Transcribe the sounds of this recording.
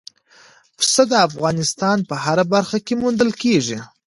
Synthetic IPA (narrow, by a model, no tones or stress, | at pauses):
psəd̪əafɣɑnɪst̪ɑnpəɦaɾabaɾxakemund̪əlkeʐi